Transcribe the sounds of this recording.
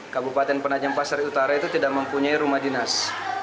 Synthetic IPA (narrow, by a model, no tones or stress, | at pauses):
kabupat̪ɛnpənad͡ʒampasaɾiut̪aɾait̪ut̪idaʔ̚məmpuɲaiɾumahdinas